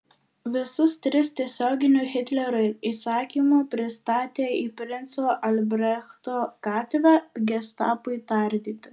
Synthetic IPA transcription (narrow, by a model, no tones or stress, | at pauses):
ʋʲɪsʊst̪ʲɾʲɪst̪ʲiɛsʲoːɡʲɪnʲuxʲɪt̪ʲlʲɛɾʊɪiːsɑːkʲiːmuːpʲɾʲɪst̪ɑːt̪ʲeːiːpʲɾʲɪnt̪soːʔɐlʲbʲɾʲɛxt̪oːkɑːt̪ʲʋʲɛɡʲɛst̪ɑ̰ːpʊɪit̪ɐˑɾʲd̪ʲiːt̪ʲɪ